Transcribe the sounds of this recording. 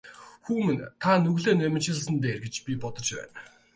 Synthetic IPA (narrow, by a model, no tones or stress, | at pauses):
xuːmɘ̆nt̪ʰanɵɣɮeːnæmɪ̆t͡ɕɪ̆ɮə̆sə̆nt̪eːrɡet͡ɕpʲipɔt̪ɞ̆t͡ɕpæ̰ːn